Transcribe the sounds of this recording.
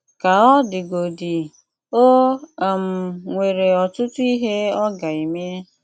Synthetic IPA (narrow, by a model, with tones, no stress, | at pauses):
ka˨ɔ˦dɪ˨ɡo˨di˨ | o˦˨m̩˨ŋʷe˨ɾe˨ɔ˨tʊ˦tʊ˦i˦ɦe˦ɔ˦ɡa˨i˨me˦